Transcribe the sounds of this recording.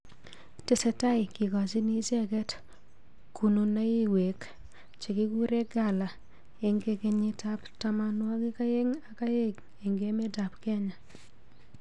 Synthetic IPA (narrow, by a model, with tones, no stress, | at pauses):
te˨sɛ˨ta˦jki˨kɔ˨si˦ni˦sɛ˦kɛ˦t | ku˨no˨na˦ji˦we˨k | t͡ʃe˨ki˦ku˦ɾe˦ɡa˦˨la˨ | e˨ŋɡeke˦ɲi˦ta˦ptama˦nwɔ˦ki˦ka˦je˦ŋa˨ka˦je˦k | e˨ŋɡe˦me˦ta˨pkɛ˦ɲa˨